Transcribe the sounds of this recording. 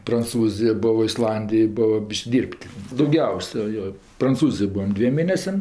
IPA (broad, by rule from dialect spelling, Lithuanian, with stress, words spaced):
prɐnˈt͡suːzʲɪjoː ˈbʊʋoː ɪsˈlˠɐnʲdʲɪjoːj ˈbʊʋoː ˈbʲiːʃʲkʲ ˈdʲiːrʲpʲtʲ dɐʊˈɡʲɛʊsʲɛ ˈjoː prɐnˈt͡suːzʲɪjoːj ˈbuːʋɐm ˈdʲʋʲiɛm ˈmʲeːnʲɛsʲɛm